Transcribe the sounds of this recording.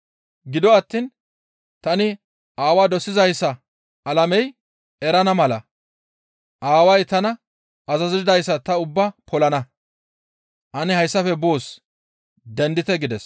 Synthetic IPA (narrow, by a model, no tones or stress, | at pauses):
ɡɪd̪ɔɐt̪ːiːn | t̪ɐnɪ | aːwaːd̪ɔsːɪzɐjsːɐ | ɐlɐmɛj | ɛɾɐnɐmɐlɐ | ʔaːwɐjt̪ɐnɐ | ɐzɐzɪɪd̪ɐjsːɐt̪ɐʊbːɐpʰɔlɐnɐ | ʔɐnɪhɐjsːɐfɛbo̞ːs | d̪ɛnd̪ɪt̪ɛɡɪd̪ɛs